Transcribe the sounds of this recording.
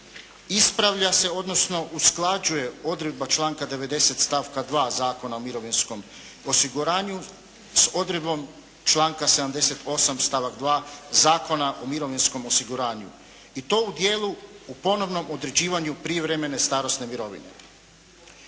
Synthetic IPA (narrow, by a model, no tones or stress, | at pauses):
ispɾaʋʎase̞o̞d̪no̞sno̞ʔusklˠad͡ʑuje̞o̞d̪ɾed̪̚bat͡ʃlˠaːŋkad̪e̞ʋe̞d̪e̞set̪st̪aːʋkad̪ʋaːzaːko̞naomiɾo̞ʋinsko̞m | osiɡuɾaːɲu | so̞d̪ɾed̪bo̞m | t͡ʃlˠaːŋkase̞d̪amd̪e̞se̞t̪o̞samst̪aːʋaɡd̪ʋaːzaːko̞naʔo̞miɾo̞ʋinsko̞mo̞siɡuɾaːɲṵ | it̪o̞ːud̪je̞ːlˠuupo̞no̞ʋno̞mo̞d̪ɾe̞d͡ʑiːʋaɲupɾiʋɾeme̞ne̞st̪aːɾo̞sne̞miɾo̞ʋḭne̞̰